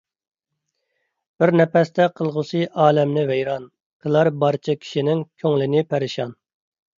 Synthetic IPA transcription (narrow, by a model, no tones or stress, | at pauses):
b̥ɪɾnɛpɛst̪ʰɛqʰəlˠʁʊsɨʔɑːlɛmnɪvejɾɑn | qʰəlˠɑɾbɑɾt͡ʃʰɑkʲʰi̥ʃinɪŋkʲʰøŋlɪnɪpʰæɾɪʃɑn